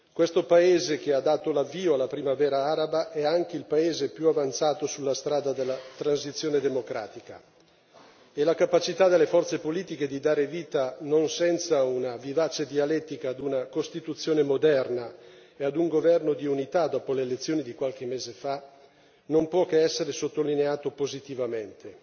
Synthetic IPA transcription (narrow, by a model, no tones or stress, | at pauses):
kwest̪opaeːzek̟ead̪ːaːt̪olavːiːoalːapɾimavɛːɾaaːɾabaʔɛaŋk̟eilpaeːzepjuavant̪saːt̪osulːast̪ɾaːd̪ad̪elːat̪ɾansit̪sːjoːned̪emokɾa̰ːt̪ika | elakapat͡ʃit̪ad̪elːefɔrt̪sepoliːt̪iked̪id̪aːɾeviːt̪anonsɛnt̪saunavivaːt͡ʃed̪ialɛt̪ːikaːd̪unakost̪it̪ut̪sːjoːnemod̪ɛrna | ead̪uŋɡovɛrnod̪iunit̪ad̪ɔːpoleːlet̪sːjoːnid̪ikwalk̟emːeːzefa | nompwɔkeɛsːeɾesot̪ːolineaːt̪opozit̪ivament̪ʰe